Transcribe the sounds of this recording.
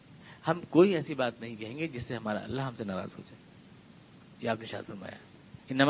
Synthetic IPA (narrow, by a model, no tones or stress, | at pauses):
hɐmkoːiɛːsibaːt̪nɐɦĩkɐɦẽːŋɡed͡ʒɪsːeɦɐmaːɾa̰ɐ̰lːaɦɐmsenaːɾa̰ːz̥ɦo̰ːd͡ʒeː | jeaːpneʃa̰ːd̪fɐɾma̰ːja̰ | ɪnːɐm